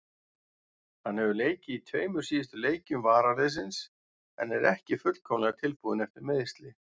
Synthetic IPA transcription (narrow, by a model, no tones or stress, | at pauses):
hanhɛvʏleːjcɪit̪ʰveːjmʏɾ̥siːðɪst̪ʏleːjcʏmvaːɾaɾes̬ɪns | ɛ̰nɛɾɛhcɪfʏt̪l̥kʰɔwmlɛɣat̪ʰɪlpuðɪnɛft̪ɪɾmɛðɪst̪lɪ